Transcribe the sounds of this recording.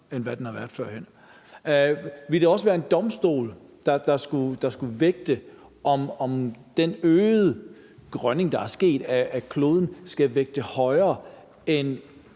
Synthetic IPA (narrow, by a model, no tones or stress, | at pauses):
enʋæd̥enhɑ̈ʋæɐd̥ˠfɶɐ̰hen̰ | ʋild̥eɒ̽səʋæːɐe̝nd̥ɒ̽msd̥o̝̰ːld̥ɑ̈d̥ɑ̈sɡ̥ud̥ɑ̈sɡ̥uʋeɡ̥̚d̥ə | ʔɒ̽mɒ̽md̥enøːð̩ˠ | ɡ̥ʁɶne̝ŋd̥ɑ̈æɐsɡ̥e̝̰ːd̥æːkʰlo̝ːð̞ˠn̩sɡ̥æʋeɡ̥̚d̥əhɒ̽ɪɐː | en